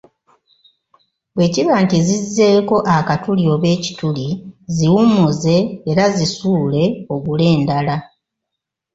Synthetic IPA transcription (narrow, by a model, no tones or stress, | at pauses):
bwe̞ːciβaːntizizːe̞ːko̞ʔakatulio̞ːβe̞ːci̥tuliziwumuze̞ːɾazisuːle̞o̞ɡule̞ːndala